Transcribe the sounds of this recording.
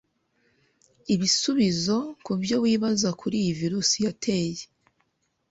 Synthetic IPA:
iβisuβizo̞kubjo̞wiːβazakʰuɾijiviɾusijatʰe̞ːje

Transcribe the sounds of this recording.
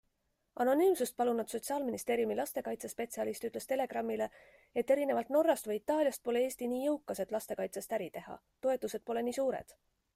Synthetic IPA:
ʔɑno̞nyːmsust̪̚pɑlunɑd̪so̞t̪siɑːlminist̪e̞ːɾjumilɑst̪e̞kɑjt̪sespe̞t̪siɑlist̪yt̪ˑle̞st̪e̞le̞ɡ̥rɑmːile̞ | et̪ːe̞ɾine̞vɑlt̪no̞rːɑst̪vɤjit̪ːˑɑːlʲjɑst̪̚po̞le̞e̞ːst̪iniːjɤwkːˑɑse̞t̪ˑlɑst̪e̞kɑjt̪sest̪æɾit̪e̞hɑ̰ | t̪o̞e̞t̪ːˑuse̞d̪̥po̞le̞niːsuːɾḛd̪̥

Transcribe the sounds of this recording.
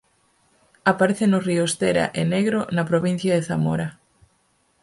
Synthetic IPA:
apaɾeθenoriost̪eɾa̰ʔeneɣɾonapɾoβin̟θjɐðeθamoɾa

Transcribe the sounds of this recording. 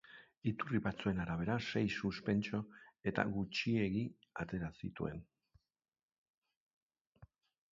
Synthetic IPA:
it̪uriβat͡sue̞naɾaβ̞e̞ɾase̞jsuspe̞nt͡ʃo̞e̞t̪a̰ɣut͡ʃie̞ɣi | at̪e̞ɾasḭt̪ṵe̞n

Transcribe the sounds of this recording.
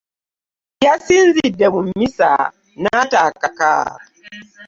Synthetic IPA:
jasinzidːɛβum̩misa̰ | natakaka̰

